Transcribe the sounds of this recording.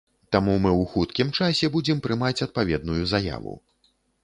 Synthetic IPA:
t̪amumɨwxut̪kʲimt͡ʂasʲɛbud͡zʲɛmpɾɨmat͡sʲɐt̪̚pavʲɛd̪̚nujuzaja̰vṵ

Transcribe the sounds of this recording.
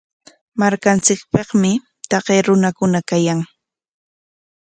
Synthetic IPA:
maɾkant͡sɪkpɑχmɪ | t̪ɑqeːɾʊnakʊnakajaŋ

